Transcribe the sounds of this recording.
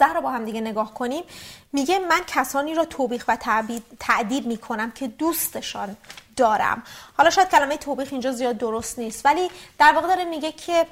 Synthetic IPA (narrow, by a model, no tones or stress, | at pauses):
æhɾɔːbɒːɦæmd̪iɟe̞ne̞ɡɒːhkʰo̞niːmːiːɟe̞mæncʰæsɒːniːɾɒːt̪ʰoːbiːxvæt̪ʰbt̪ʰæʔd̪iːd̪̚miːkʰo̞næmcʰe̞d̪uːst̪e̞ʃɒːnd̪ɒːɾæ̰mhɒːlɒːʃɔːjæd̪̚cʰælæmejet̪ʰoːbiːɣind͡ʒɒːzijɒːd̪̚ːoɾost̪niːst̪væliːd̪̥æɾvɒːɣed̪ɒːɾemiːɟecʰe̞